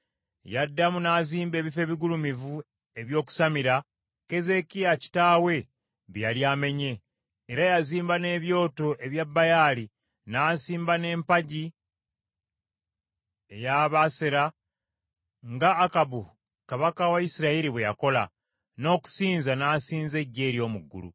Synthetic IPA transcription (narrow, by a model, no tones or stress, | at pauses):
jadːamunaːziːmbe̞ːβife̞ːβiɡulumivu | e̞βjo̞ːku̥samiɾa | ke̞ze̞kijaci̥taːwe̞ | βjaljaːme̞ɲe̞ː | ɾajaziːmbane̞ːβjo̞ːto̞ʔe̞βjabːajali | naːsiːmbane̞ːmpaɟi | e̞jaːβaseɾa | ŋɡaːkabu | kaβakawaisiɾaiɾiβwe̞ja̰ko̞la̰ | no̞ːku̥siːnzanaːsiːnze̞ɟːe̞ːɾjo̞ːmuɡːṵlṵ